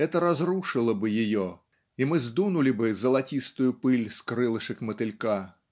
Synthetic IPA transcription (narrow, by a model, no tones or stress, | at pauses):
ɛt̪ɐɾazruʂɨlˠɐbɨjɪjɔ | imɨzd̪unulʲibɨzɐlˠat͡sʲist̪ʊjʊpɨlʲskɾɨlˠɨʂɨkmɐt̪ɨlʲka